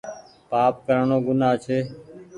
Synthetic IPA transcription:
paːp̚kəɾɳoːɡʊnaːt͡ʃʰeː

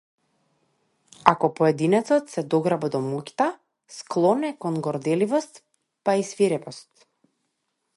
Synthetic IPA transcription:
akɔpɔɛd̪inɛt̪sɔt̪sɛd̪ɔɡɾabad̪ɔmukʲt̪a | sklˠɔnɛkɔnɡɔɾd̪ɛlivɔst̪ | paisviɾɛpɔst̪

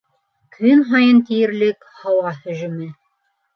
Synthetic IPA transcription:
kʰɵnɦɑjɤnt̪ijɘ̆ɾlɘk | hɑwɑhɵ̆ʒɵ̆mɘ

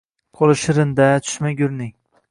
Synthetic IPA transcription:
qʰolˠɪʃɪɾɪnd̪at̪ʰʊ̥ʃmaɡʲʊɾnɪŋ

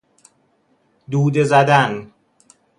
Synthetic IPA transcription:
d̪uːd̪ezæd̪æn

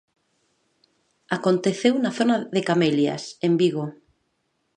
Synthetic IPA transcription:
akont̪eθewnaθonaðekamelja̰sembiɣo

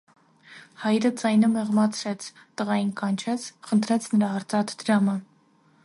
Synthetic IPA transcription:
hɑjɾəd͡zɑjnəmɛʁmɑt͡sʰɾɛt͡sʰ | t̪əʁɑjinkɑnt͡ʃʰɛt͡sʰχənt̪ʰɾɛt͡sʰnəɾɑəɾt͡sɑt̪ʰd̪̥əɾɑmə

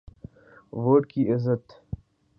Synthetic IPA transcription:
ʋoːʈkiʔɪzət̪

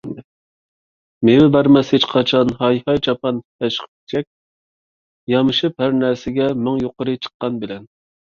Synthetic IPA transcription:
mewɪbæɾmɛshet͡ʃqʰɑt͡ʃʰɑnɦɑjhɑjt͡ʃʰɑpʰɑnhæʃχ | t͡ʃʰɛk̚ʲ | jɑmɨʃɨp̚hæɾnæɾsɪɡʲɛmɪŋjoqʊɾɨt͡ʃʰə̥qːɑnbɪlɛn

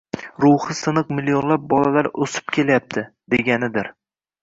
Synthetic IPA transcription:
ɾʊhɨsɨnɨqmɪlijonlap̚bɒlalaɾɵsɪ̥p̚kʲʰe̞lajap̚t̪ʰɪd̪̥eɡʲanɪd̪ɪɾ

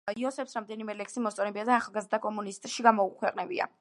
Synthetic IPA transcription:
iɔsɛpsɾamd̪ɛnimɛlɛkʰsimɔst̪ʼɔnɛbiad̪aːχalˠɡazɾd̪akʼɔmunist̪ʼʃiɡamɔukʰwɛqʼnɛbḭa̰

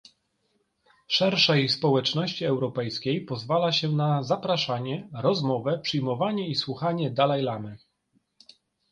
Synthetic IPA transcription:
ʂɛɾʂɛjspɔwɛt͡ʂnɔɕt͡ɕiɛwɾɔpɛjskʲejpɔzvalaɕɛnazapɾaʂaɲɛɾɔzmɔvɛpʂɘjmɔvaɲɛiswuxaɲɛd̪alajlamɘ

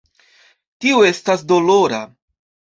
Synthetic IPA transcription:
tiue̞stasdo̞lo̞ɾa̰

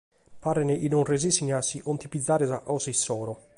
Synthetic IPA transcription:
paɾeneʔinonrezisiɲasiʔont̪ipid̪zːaːɾesaʔɔsisːɔːɾo

